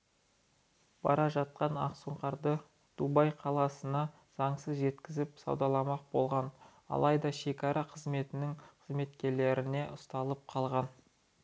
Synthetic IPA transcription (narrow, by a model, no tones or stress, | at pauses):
b̥ɑ̰ɾɑʒɑt̪̚qɑnɑ̰qsuɴqɑɾd̪ə | d̪̥ubɑjqʰɑlˠɑsənɑ | z̥ɑɴsəzʒe̞t̪kʲɪzɪpsɑ̰wd̪ɑlˠɑmɑq̚bo̞̰lˠʁɑnɑ̰lˠɑjd̪ɑʃe̞kʲɑɾɑqʰəzme̞t̪ɪnɪŋqʰəzme̞t̪kʲe̞ɾle̞ɾɪne̞ʔʊst̪ɑlˠəp̚qʰɑlˠʁɑn